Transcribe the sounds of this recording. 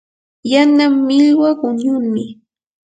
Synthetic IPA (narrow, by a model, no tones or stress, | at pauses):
janamːɪʎwaɢʊɲʊɾmɪ